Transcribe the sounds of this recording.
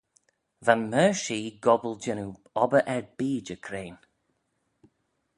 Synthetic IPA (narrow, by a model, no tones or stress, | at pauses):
vanməːʃiːɡɔbəlˠd͡ʒɛnu | ɔbəʔɛɹbiːd͡ʒəkʰɾeːn